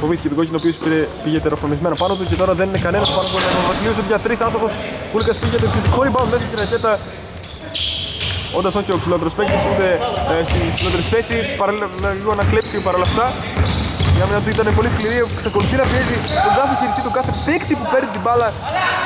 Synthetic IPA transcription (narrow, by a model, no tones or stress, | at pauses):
foviscet̪ɡo̞cinopiospiɾepiʝet̪eɾofonizmenɐpɐnot̪̬ucet̪o̞ɾɐðeninekɐnenɐspɐnouboɾinɐkɐvɐsilios̬ot̪iʝɐt̪ɾisɐnθoxo̞s | kulkɐspiʝet̪̬eiðixoɾipɐnonðesc̪iɾɐcet̪ɐ | ond̪ɐsoceoksilo̞t̪eɾospekt̪isund̪est̪inksilo̞t̪e̞ɾisfesipɐɾɐlillɐiɣonɐklipsipɐɾɐlɐft̪ɐ | iɐminɐt̪uit̪ɐnepo̞liskliɾikseko̞luθinɐpiezit̪oɡɐθiçiɾist̪it̪ukɐθe̞pekt̪ipupeɾnit̪ibɐlɐ